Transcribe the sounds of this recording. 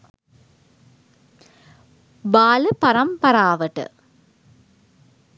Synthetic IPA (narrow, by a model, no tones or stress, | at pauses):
baːlɯpɐɾɐmpɐɾaːʋɐʈːɯ̰